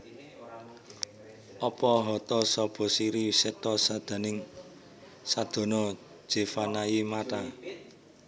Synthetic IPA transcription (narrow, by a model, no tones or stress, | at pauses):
ʔɔpɔɦɔt̪ɔsɔb̥ɔ̤siɾisɛt̪ɔsad̪̥a̤nɪŋ | sad̪̥o̤nɔ̥ | ʒ̥e̤fanajimat̪a